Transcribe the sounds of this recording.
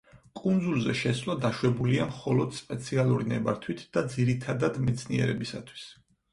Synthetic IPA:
kʼund̪zulˠzɛ̰ʃɛslˠad̪aʃwɛbuliamχɔlɔd̪spʼɛt̪sʰialˠuɾinɛbaɾt̪ʰwit̪ʰd̪̥ad̪ziɾit̪ʰad̪ad̪mɛt̪sʰnḭɛ̰ɾɛbisa̰t̪ʰwi̥s

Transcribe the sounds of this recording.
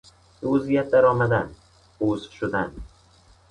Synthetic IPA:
d̪ozijat̪̚d̪aɾɒmad̪an | ozʃʊd̪an

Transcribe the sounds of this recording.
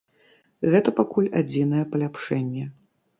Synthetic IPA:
ɣɛt̪ɐpakulʲad͡zʲinɐjɛpɐlʲapʂɛnʲːɛ

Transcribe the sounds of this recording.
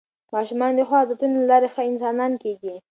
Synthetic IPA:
mɑʃumɑnd̪əxwɑd̪ət̪unolalɑɾexəɪnsɑnɑnkeɡi

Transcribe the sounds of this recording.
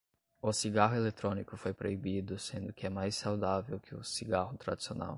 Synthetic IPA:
ʊsiɡaɦʊelet̪ɾõnikʊfojpɾoibid̪ʊsẽnd̪ʊkɪɛmajssawd̪avewkʰɪʊsiɡahʊt̪ɾa̰d͡ʒ̪isiona̰w

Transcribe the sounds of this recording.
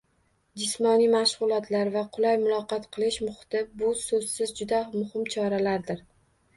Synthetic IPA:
d͡ʒɪsmɒnijmaʃʁʊlˠɒt̪ʰlaɾvaqʰʊlajmʊlˠɒqɑt̪qʰɨlˠɪʃmʊχɨ̥t̪ɪbʊsoz̥sɪzd͡ʒʊd̪amʊhɪmt͡ʃʰɒɾalaɾd̪ɪɾ

